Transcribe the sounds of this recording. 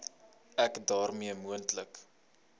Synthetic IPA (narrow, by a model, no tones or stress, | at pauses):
ækdɑːrmiəmuəntlək